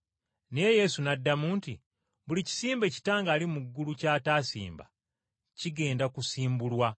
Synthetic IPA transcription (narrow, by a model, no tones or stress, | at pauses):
neje̞sunadːamuːnti | βulici̥siːmbe̞ci̥taːŋɡaːlimuɡːulucaːtaːsḭːmba̰ | ciɡe̞ːndakusiːmbulwa